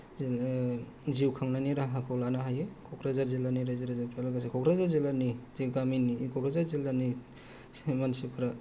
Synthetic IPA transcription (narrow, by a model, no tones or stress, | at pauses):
ziwkʰaŋnaniɾaɦakʰɔwlanaɦajekʰɔkʰɾazaɾzilaniɾaziɾazapɾalaɡas̬ikʰɔkɾazaɾzilanizeɡaminikʰɔkɾazaɾzilani | semansipʰɾa